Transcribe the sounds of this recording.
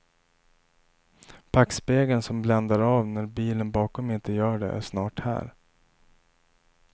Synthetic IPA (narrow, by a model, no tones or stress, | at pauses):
pʰakspeːɡənsɔmblɛnd̪aɾɑːvnæɾbiːlənbɑːkɔmɪnt̪əjœːɖɛ̰ʔæ̰ʂnɑːʈhæ̰ːɾ